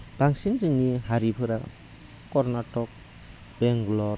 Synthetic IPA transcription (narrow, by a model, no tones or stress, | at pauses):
b̥aŋsinzɯŋniɦaɾipʰɯɾa | kɔɾnatɔk̚ | b̥eŋɡlɔɾ